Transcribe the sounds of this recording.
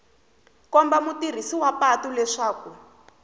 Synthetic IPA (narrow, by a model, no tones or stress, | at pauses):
kɔmbamutir̤isiwapatulɛʂaːku